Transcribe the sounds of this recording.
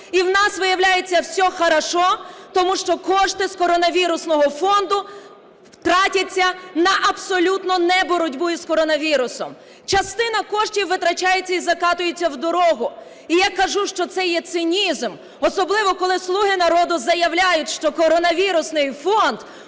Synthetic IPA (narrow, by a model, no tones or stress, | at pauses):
iwnɑsʋɪjɐwlʲajet͡sʲːɐwsʲɔxɐɾɐʃɔt̪ɔmuʃt͡ʃɔkɔʃt̪ɪskɔɾɔnɐʋʲiɾʊsnɔɦɔfɔnd̪ʊ | wt̪ɾɑtʲɐt͡sʲːɐnɐʔɐbsɔlʲut̪nɔnɛbɔɾɔdʲbʊjiskɔɾɔnɐʋʲiɾʊsɔm | t͡ʃɐst̪ɪnɐkɔʃtʲiwːɪt̪ɾɐt͡ʃajet͡sʲːɐizɐkɑt̪ʊjet͡sʲːɐwd̪ɔɾɔɦʊ | ijakɐʒuʃt͡ʃɔt̪sɛjɛt̪sɪnʲizm | ɔsɔblˠɪʋɔkɔlˠɪslˠuɦɪnɐɾɔd̪ʊzɐjɐwlʲajʊtʲʃt͡ʃɔkɔɾɔnɐʋʲiɾʊsnɪjfɔnd̪̥